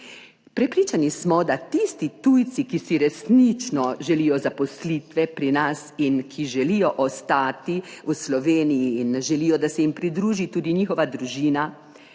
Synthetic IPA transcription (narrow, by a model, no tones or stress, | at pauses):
pɾɛpɾiːt͡ʃanismɔd̪at̪ist̪it̪ujt̪sikisiɾɛsnit͡ʃnɔʒɛlijɔzapɔslit̪ʋɛpɾinasinkʰiʒɛlijɔʔɔst̪aːt̪iuslɔʋeːnijiːnʒɛliːjɔd̪asɛjimpɾid̪ɾuːʒit̪uːd̪iɲixɔʋad̪ɾuʒiːna